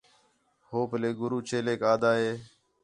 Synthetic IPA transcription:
hoːpleːɡʊɾuːt͡ʃʰeːleːkaːd̪aːɦeː

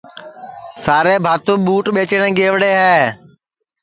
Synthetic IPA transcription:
saːɾeːbʱaːt̪ũːɓuːʈɓeːt͡ʃəɽ̃ẽːɡeːʋɽeːɦɛː

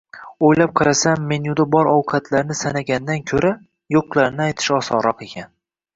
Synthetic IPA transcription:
ojlap̚qʰɑɾasamːenjʊd̪abɒɾɒwqʰɑt̪ʰlaɾnɪsanaɡʲand̪ankʲʰɵɾa | joqlˠaɾnɪajt̪ʰɪ̥ʃɒsɒɾɒqekʲʰan

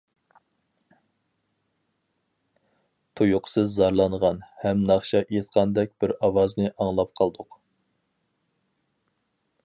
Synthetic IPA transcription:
t̪ʰujʊqʰsɨzːɑɾlˠɑnʁɑnhɛmnɑχʃɑjet̪qʰɑnd̪ɛk̚ʲbɪɾɑwɑznɨʔɑŋlˠɑp̚qʰɑlˠd̪ʊq

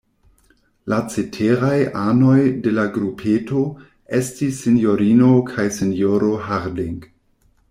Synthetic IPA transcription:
lat͡setʰeɾajano̞jde̞laɡɾupʰeto | estisːinjoɾinokʰajsinjoɾo̞ɦaɾdiŋɡ

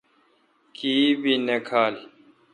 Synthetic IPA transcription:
kiːbinekʰaːli

